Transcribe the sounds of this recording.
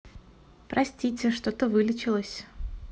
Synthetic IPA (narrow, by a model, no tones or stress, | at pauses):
pɾɐsʲtʲitʲɪʂt̪ot̪əvɨlʲɪt͡ɕɪlˠəsʲ